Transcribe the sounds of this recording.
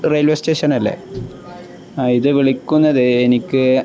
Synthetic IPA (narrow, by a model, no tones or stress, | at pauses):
rejlʋesteːʂɐnɐlːḛ | iðɨʋiɭikʲːunːɐðɨenikʲːɨ